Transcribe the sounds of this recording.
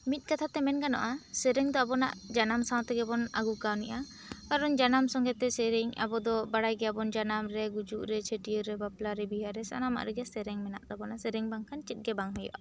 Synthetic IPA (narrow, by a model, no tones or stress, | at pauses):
mit̪̚ˀkat̪ʰat̪ɛmɛnkanɔ̰ʔasɛɾɛŋd̪ɔabɔna̰ʔd͡ʒanamsaw̃t̪ɛɡɛbɔna̰ɡukawniʔa | kaɾɔɲd͡ʒanamsɔŋɡɛt̪ɛsɛɾɛɲa̰bɔd̪ɔbaɽajɡɛabɔnd͡ʒanamɾɛɡud͡ʒuʔɾɛt͡ʃʰeʈiɔɾɛbaplaɾɛbiɦaɾɛsa̰nama̰ʔɾɛɡɛsɛɾɛŋmɛna̰ʔd̪abɔnaʔsɛɾɛŋbaŋkʰant͡ʃɛt̪̚ɡɛbaŋɦɔjɔ̰ʔa